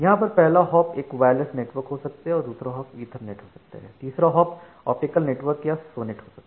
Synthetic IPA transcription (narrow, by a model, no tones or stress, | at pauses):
jɐɦãpɐɾpɛɦlaɦɔːpeːkʋaːjləsneːʈʋəɾkɦosɐk̚t̪eɦɛ̃ɔːɾd̪uːsɾaɦɔːpiːd̪ʱəɾneːʈɦosɐk̚t̪a̰ɦɛ̰ːt̪iːsɾaɦɔːp | ɔ̰ːpʈɪkəlneːʈʋəɾkjasoːneʈɦosɐkt̪e